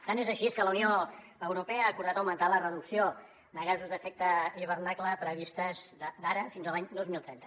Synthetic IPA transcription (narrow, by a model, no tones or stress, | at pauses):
t̪anezəʃieskələunio | əwɾupɛəːkuɾðat̪əwmənt̪alərəðuksio | nəɣazuzd̪əfɛk̚t̪əiβ̞ərnakləpɾəβist̪əzd̪əd̪aɾəfinzəlaɲd̪ozmilˠt̪ɾɛnt̪ə̥